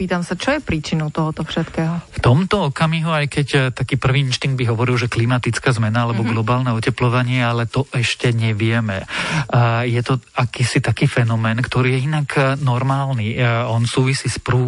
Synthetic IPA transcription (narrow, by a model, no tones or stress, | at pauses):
piːt̪amsat͡ʃɔjɛpɾiːt͡ʃinɔʊt̪ɔɦɔt̪ɔfʃɛt̪kɛːɦɔft̪ɔmt̪ɔɔkamiɦuajkɛct̪akiːpr̩ʋiːinʃt̪iŋɡd̪̚biɦɔʋɔɾilʒɛklimat̪it͡skaːzmɛnaalɛbɔɡlɔbaːlnɛɔcɛplɔʋaɲɪɛalɛt̪ɔʔɛʃcɛɲɛʋɪɛmɛ̰ | jɛt̪ɔakiːsit̪akiːfɛnɔmɛːnkt̪ɔɾiːjɛinaknɔɾmaːlniːɔnsuːʋisiːspɾu